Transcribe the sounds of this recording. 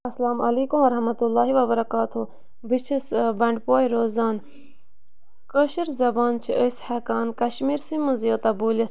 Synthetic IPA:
ɐslaːmʔɐleːkumʋɐɾɐɦmɐt̪ulːaːɦiʋɐbɐɾɐkaːt̪ʰu | bit͡ʃʰisbɐɳɖpoːiɾoːzaːn | kəʃiɾzɐbaːnt͡ʃʰiʔəshɛːkaːnkɐʃmiːɾsĩmuzijot̪aboːljɐ

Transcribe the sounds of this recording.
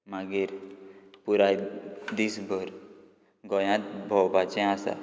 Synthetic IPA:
maɡiːɾpuɾajd̪isbʱəɾ | ɡɔjãt̪bʱɔwbat͡ɕɛ̃asa̰

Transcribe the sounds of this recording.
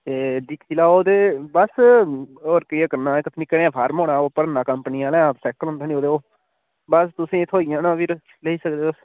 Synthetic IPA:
t̪eːd̪ɪk̪ʰiːlaːoːd̪eːbəs | oːɾkəiaːkəɾnãːkət̪ʰnɪkːənẽːãːpʰaːɾmõːɽãːoːpəɾnãːkəmpəniãːlɛ̃ːbsɛːkəlʊ̃nd̪aːnioːd̪eːoː | bəst̪ʊsĩːt̪ʰoːijãːnãːpiɾ | ləiːsək̚d̪eːəs

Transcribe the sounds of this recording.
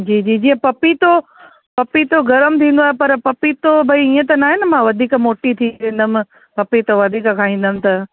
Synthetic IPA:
d͡ʑiːd͡ʑiːd͡ʑiːə̃pɐpit̪o | pɐpit̪oɡɐɾəmt̪ʰĩːnd̪oaːɦepɐɾpɐpit̪obʱɐiiə̃t̪̬ɐnaːɦenəmãʋɐd̪ʱiːkəmoːʈit̪ʰiɾẽːnd̪əm̆ | pɐpit̪oʋɐd̪ʱiːkəkʰaːɦĩːn̆d̪əmɪ̆t̪ɐ

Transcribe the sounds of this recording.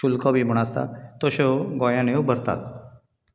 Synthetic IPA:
ulkɔbʱim̤əɽ̃ast̪a̰t̪ɔɕeɡɔjãnewbʱəɾt̪a̰t̪

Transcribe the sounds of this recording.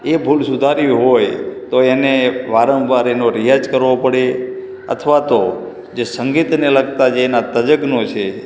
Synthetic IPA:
ebʱulsud̪ʱaɾiɦojt̪oeneʋaɾə̃ʋʋaɾenoɾijad͡ʒkəɾʋopəɽe | ə̰t̪ʰʋat̪o | d͡ʒesəŋɡit̪neləɡ̚t̪ad͡ʒenat̪əd͡ʒəɡnot͡ʃʰe

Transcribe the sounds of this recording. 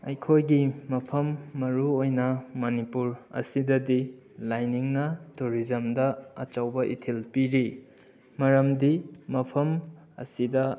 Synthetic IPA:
ɐjkʰojɡimɐpʰɐmːɐɾuojnɐmɐnipuɾɐ̰sidɐdi | lajniŋnɐtuɾizɐmdɐɐ̰t͡ʃawbɐʔḭtʰilpiɾi | mɐɾɐmdimɐpʰɐm | ɐ̰sidɐ

